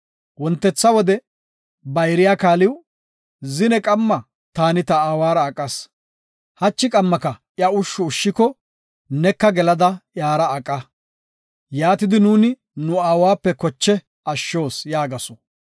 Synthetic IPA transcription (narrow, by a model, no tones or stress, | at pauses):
wɔnt̪ːɛt͡sːɐwɔd̪ɛ | bɐjɾɪjaːkaːlɪw | zɪnɛkʼɐmːɐ | t̪aːnɪt̪ɐaːwaːɾɐːkʼːɐs | hɐt͡ʃːɪkʼɐmːɐkɐ | jɐʊʃːʊːʃːɪkɔ | nɛkːɐɡɛlɐd̪ɐjaːɾɐːkʼːɐ | jaːt̪ɪd̪ɪnuːnɪ | nʊaːwaːpːɛkɔt͡ʃːɛ | ɐʃːo̞ːsjaːɡɐsɔ̥